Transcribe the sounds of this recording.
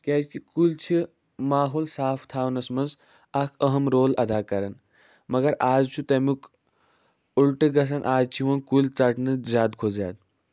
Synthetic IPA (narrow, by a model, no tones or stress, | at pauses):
kʲɛt͡ʃʰkikult͡ʃʰi | maːɦoːlsaːpʰt̪ʰaːwnɐsmɐnz | ɐkʰɐɦɐmɾoːlɐd̪ʱaːkɐɾɐn | mɐɡɐɾaːzt͡ʃʰut̪ɐmuk | ulʈɨɡɐs̬ɐnʔaːd͡zt͡ʃʰiʋɐnkult͡sɐʈnɨzʲaːd̪kʰoːza̰ːd̪̚